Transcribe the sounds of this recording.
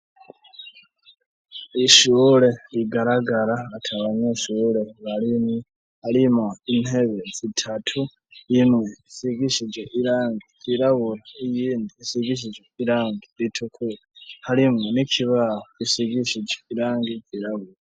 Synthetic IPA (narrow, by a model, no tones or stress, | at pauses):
iʃuɾe̞ɾiɡaɾaɡaɾaːtʰaβaɲeʃuɾe̞βaɾime | haɾimoine̞βe̞zitʰatʰu | jimweisiɡiʃid͡ʒweʔiɾaːŋɡiz̥iɾaβuɾaijiːndiːsiɡiʃ̬id͡ʒweiɾaːŋɡiɾitʰukʰuɾahaɾimŋenikʰiβahoisiɡiʃid͡ʒeiɾaːŋɡid͡ʒiɾaβuɾa